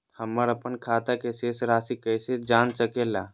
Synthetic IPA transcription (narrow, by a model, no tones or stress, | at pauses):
həmːəɾəpənkʰaːt̪akeseːsɾaːsikəɪsed͡ʒaːnsəkela̰ː